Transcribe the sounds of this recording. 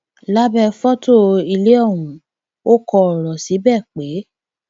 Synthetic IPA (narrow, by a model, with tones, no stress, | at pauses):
la˦bɛ˧fɔ˦to˦˨i˧le˦ɔ˦˨wũ˨ | o˦kɔ˧ɔ˨ɾɔ˨si˨˦bɛ˦˨k͡pe˨˦